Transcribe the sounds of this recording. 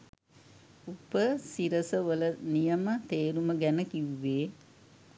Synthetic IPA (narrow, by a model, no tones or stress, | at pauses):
upəsiɾəsəʋələnijəmət̪eːɾuməɡænəkiʋːeː